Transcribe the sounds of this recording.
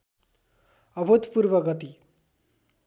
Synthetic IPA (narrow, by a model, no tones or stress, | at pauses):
ʌbʱot̪puɾʋəɡət̪i